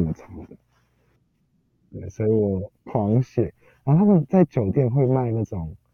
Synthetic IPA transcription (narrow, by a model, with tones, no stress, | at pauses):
mə˨˩ʈ͡ʂʰɑ˧˥ŋd̪ə˨ | t̪we˥˩ɪswɔ˧˥i˨˩wɔ˨˩kʰwɑ˧˥ŋɕjɛ˨˩ | a˨˥˦t̪ʰa˥mə˨nt͡sa˥˩ɪt͡ɕjo˨˩ʊt̪jɛ˥˧nxwe˥˧ɪma˥˧ɪna˥˩ʈ͡ʂʊ˨˩ŋ